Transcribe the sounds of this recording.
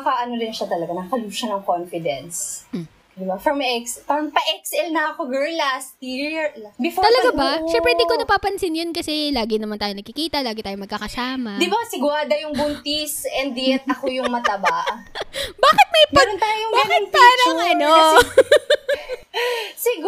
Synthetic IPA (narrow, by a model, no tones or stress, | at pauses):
ɐkaʔɐnod̪ɪnʃat̪ɐlɐɡanɐkɐluʃɐnɐŋkonfɪd̪ɛns | d̪ɪbafɾɐmɛksfɐmpɐʔɛksɛlnɐɐkoɡɛɹlɐst̪ibɪfɔt̪ːɐlɐɡabɐʃɛmpɾɛd̪ikonɐpaːpɐnsɪnjonkɐsɛlaːɡɪnɐmant̪aːjonɐɡ̚kɪkiːt̪ɐlaːɡɪt̪aːjomɐɡ̚kaːkɐsaːmɐd̪ɪbasɪɡwad̪ɐjʊŋbʊnt̪isɛnd̪ɪjɛt̪̚ʔɐkojʊŋmɐt̪ɐbaʔ | baːkɪt̪̚mɐjɡpɐɾont̪aːjjoŋbanɐnt̪anaɐno | sɪɡ